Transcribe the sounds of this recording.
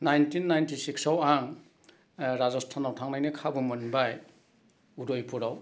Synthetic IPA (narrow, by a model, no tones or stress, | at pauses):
najntʰinːajntisiksawaŋ | ɾazɔstʰanawtʰaŋnajnɯkʰabɯmɯnbaj | udojpʰuɾaw